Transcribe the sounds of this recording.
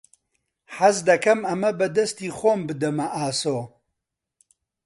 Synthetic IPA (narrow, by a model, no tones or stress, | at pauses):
ħɐzd̪ɐkʰɐmɐmɐbɐd̪ɐst̪iːxoːmbɨd̪ɐmɐʔaːsoː